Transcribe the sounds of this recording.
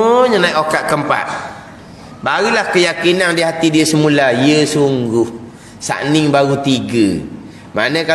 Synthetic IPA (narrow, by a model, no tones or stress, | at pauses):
ɲənaiʔokaʔ̪̚kəmpa̰ʔ̪̚ | baɾulahkəjakinaŋdiəɦat̪idiəsəmulaiəsuŋɡʊh | sa̰ʔnɪŋbaɾut̪iɡə | ma̰nə̃ka